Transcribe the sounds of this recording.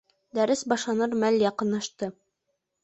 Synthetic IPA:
d̪æɾɘsbɑʃlˠɑnɤɾmæljɑqɤ̆nːɑʃt̪ɤ

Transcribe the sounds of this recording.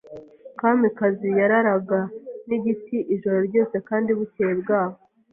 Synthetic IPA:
kamikazijaɾaɾaɡaniɟitiʔiʒo̞ɾo̞ɾɟo̞ːse̞kaːndiβuteːbɡaːβo

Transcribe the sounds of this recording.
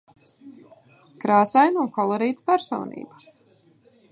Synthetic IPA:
kɾaːsajnunkʰɔlˠɔɾiːt̪pæɾsɔ̰wnḭːba

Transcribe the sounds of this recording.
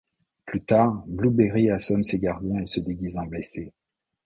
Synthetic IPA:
plyt̪aːʁblubeʁiasɔnseɡaʁd̪jɛ̃esəd̪eɡʲizɑ̃blese

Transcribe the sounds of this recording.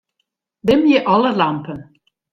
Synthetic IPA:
d̪ɪmjəʔɔləlampən

